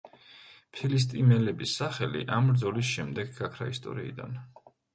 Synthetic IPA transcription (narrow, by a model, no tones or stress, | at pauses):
pʰilis̬t̪ʼimɛlɛbisːaχɛlḭʔamɾd̪zɔlis̬ʃɛmd̪ɛɡɡakʰɾa̰ist̪ʼɔ̰ɾiid̪a̰n